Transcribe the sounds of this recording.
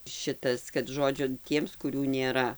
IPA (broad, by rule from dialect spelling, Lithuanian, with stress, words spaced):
ˈʃʲɪtɐs kɐt ˈʒoːd͡ʒʲʊ ˈtʲiɛms kʊˈrʲuː nʲeːˈrɐ